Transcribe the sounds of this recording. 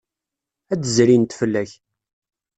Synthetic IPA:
ædəzɾint̪fəlːæç

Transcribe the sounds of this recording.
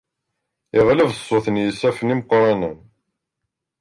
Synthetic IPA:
ɪʁləvəsˤːoθənjəsæfəniməqɾˤɑnən

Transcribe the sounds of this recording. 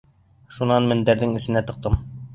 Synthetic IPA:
ʃunɑnmɘ̆nd̪æɾðɘŋɘ̆sɘ̆næt̪ɤ̆q̚t̪ɤm

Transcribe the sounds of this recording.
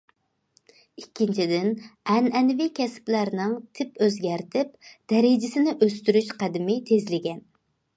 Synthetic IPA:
ikʲʰːint͡ʃʰid̪ɪnɛnɛnvikʲʰɛsplæɾnɨŋt̪ʰɪpøzɡʲæɾt̪ʰɪp̚d̪̥ɛɾɪd͡ʒɪsɪnɪʔøst̪yɾyʃqʰæd̪ɪmɪt̪ʰezlɪɡʲɛn

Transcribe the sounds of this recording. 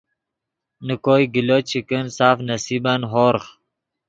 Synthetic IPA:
nəkoːjɡilot͡ɕʰikənsaːfnɐsibanɦoːɾχ

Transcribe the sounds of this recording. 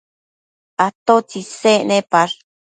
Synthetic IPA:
at̪ot͡ʃisenẽpaɾ

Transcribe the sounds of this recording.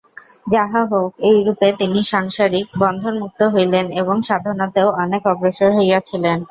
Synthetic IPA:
d͡ʑaɦaɦokejɾupet̪iniʃaŋʃaɾik̚bɔnd̪ʱoɾmuk̚t̪oɦojleneboŋʃad̪ʱoɾnot̪eoɔnekɔbɾoʃoɾɦojjat͡ɕʰilen

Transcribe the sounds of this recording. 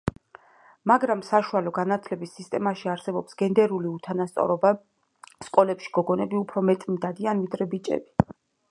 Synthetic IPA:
maɡɾamsaʃualɔɡanat̪ʰlɛbisːist̪ʼɛmaʃiaɾsɛbɔpsɡ̥ɛnd̪ɛɾuliut̪ʰanast̪sʼɔ̰ɾɔba | skʼɔlɛpʃi̥ɡ̥ɔɡɔnɛbiupʰɾɔmɛt̪ʼmid̪ad̪ianvid̪ɾɛbit͡ʃʼɛ̰bi

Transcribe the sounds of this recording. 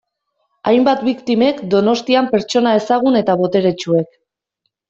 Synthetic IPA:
ajmbat̪bikt̪ime̞kd̪o̞no̞st̪iampe̞ɾt͡ʃo̞nae̞saɣ̞une̞t̪aβo̞t̪e̞ɾe̞t͡ʃue̞k

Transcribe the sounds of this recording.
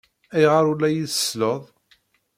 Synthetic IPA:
æjʁəɾˤulːæjiθə̥sləðˤ

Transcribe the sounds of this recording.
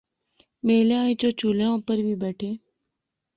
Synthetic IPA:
meːleãːĩt͡ʃot͡ʃuːleõːpəɾbʱibɛːʈʰeː

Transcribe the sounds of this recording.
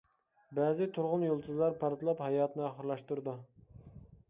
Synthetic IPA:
bæzɪt̪ʰuɾʁʊnjolˠt̪ʰuzlˠɑɾpʰɑɾt̪ɨlˠɑphɑjɑːt̪nɨɑχəɾlˠɑʃt̪uɾd̪u

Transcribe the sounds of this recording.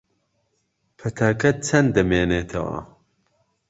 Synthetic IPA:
pʰɐt̪ʰaːkʰɐt͡sʰɐnd̪ɐmeːneːt̪ʰɐwɐ̰

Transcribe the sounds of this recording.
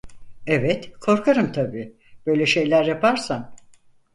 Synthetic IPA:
ɛvɛt̪kʰo̞ɾkʰaɾɯmt̪ʰabiː | b̥ø̞jlʲɛʃe̞jlʲæɾjapaɾsan

